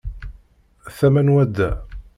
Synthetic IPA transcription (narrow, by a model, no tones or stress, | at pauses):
θæmænwæd̪ːæ